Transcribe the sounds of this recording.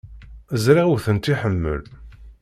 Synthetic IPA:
əzɾaʁuθənt̪iħəmːə̰l

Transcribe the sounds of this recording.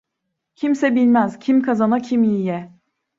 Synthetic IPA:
cʰimsɛbilʲmæz̥cʰimkʰazanacʰimijɛ

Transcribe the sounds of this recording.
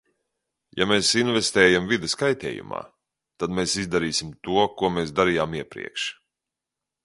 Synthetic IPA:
jameːsinvɛst̪ɛːjamvid̪ɐskajt̪ʲɛ̰ːjṵma̰ː | t̪ad̪meːsizd̪aɾiːsʲimt̪uɔkuɔmeːsd̪aɾijaːmiɛpɾḭɛkʃ

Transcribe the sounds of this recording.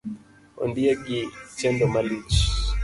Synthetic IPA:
ɔ̰ndiaɡit͡ʃɛndɔmalit͡ʃ

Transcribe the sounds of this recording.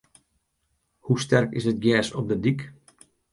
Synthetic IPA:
hustɛrkɪsət̚ɡjɛːsɔp̚dədik

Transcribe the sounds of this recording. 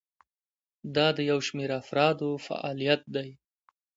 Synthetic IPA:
d̪ɑd̪əjawʃmeɾafɾɑd̪ofa̰ʔɑ̰lijat̪̚d̪aj

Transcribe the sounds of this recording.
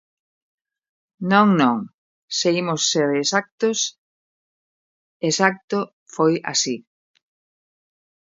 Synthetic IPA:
nõŋnõŋ | seimʊsːeɾːsak̚t̪ʊs | esak̚t̪o | foja̰si

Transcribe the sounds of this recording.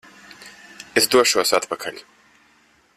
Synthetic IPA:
ezd̪uɔʃuɔsat̪pakʰaʎʲ

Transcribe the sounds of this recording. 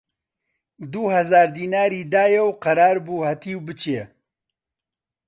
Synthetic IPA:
d̪uːhɐzaːɾd̪iːnaːɾiːd̪aːjɛwqɐɾaːɾbuːhɐt̪ʰiːwbɨt͡ʃʰe

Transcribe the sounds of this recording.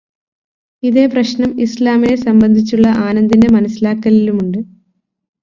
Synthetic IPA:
iðe̞ːprɐɕnɐmislaːminesɐmbɐnd̪ʱit͡ɕːuɭːɐʔaːnɐnd̪inde̞mɐnɐsːilaːkːɐlilumuɳɖɨ

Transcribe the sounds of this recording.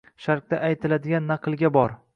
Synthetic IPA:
ʃaɾq̚d̪aʔajt̪ʰɪlad̪ɪɡʲanːɑqʰɨlˠɡʲabɒɾ

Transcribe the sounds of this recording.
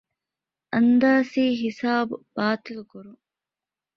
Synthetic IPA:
ʔɐnd̪aːsiːɦisaːbub̥aːt̪ilukuɾu

